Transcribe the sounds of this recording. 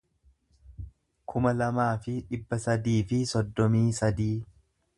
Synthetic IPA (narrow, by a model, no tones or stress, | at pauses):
kʰʊmɐlɐmaːfɪᶑɪbːɐsɐd̪iːfɪsɔd̪ːɔmiːsɐd̪iː